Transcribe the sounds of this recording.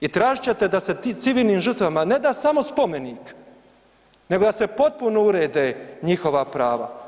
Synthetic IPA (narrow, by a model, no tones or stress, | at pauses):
it̪ɾaːʒit͡ɕe̞t̪ed̪ase̞it̪siʋiːlˠniːmʒurt̪ʋamane̞d̪aːsamo̞spo̞me̞niːk | ne̞ɡo̞d̪ase̞po̞t̪̚punouɾeːd̪eɲixo̞ʋapɾaːʋa̰